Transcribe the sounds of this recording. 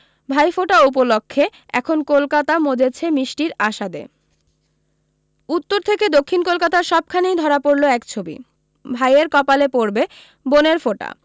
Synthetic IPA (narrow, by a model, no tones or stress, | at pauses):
bʱajfoʈaup̬olokʰːeɛ̰kʰonkolkat̪amod͡ʑet͡ɕʰemiʃʈiɾaʃad̪ḛ | ut̪ːoɾt̪ʰeked̪okʰːinkolkat̪aɾʃɔb̚kʰanejd̪ʱɔɾapoɾloɛkt͡ɕʰobḭ | bʱajeɾkɔpalepoɾbe | boneɾfoʈa̰